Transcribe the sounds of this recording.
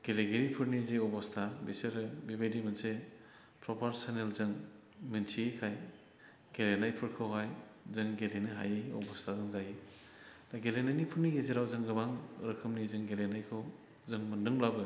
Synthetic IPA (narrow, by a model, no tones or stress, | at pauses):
ɡ̥eleɡeɾipʰɯɾnizeɔbɔstʰabiseɾɯbibajdimɯnse | pʰɾɔpʰaɾsanelzɯŋ | mɯnsʰikʰaj | ɡ̥elenajpʰɯɾkʰɯwɦʰajzɯŋɡelenɯɦa̰jeɔ̰bɔstʰazɯŋzaji | daɡelenajnipʰɯɾniɡeziɾawzɯŋɡɯmaŋɾɯkʰɯmnizɯŋɡelenajkʰɯw | zɯŋmɯndɯŋlabɯ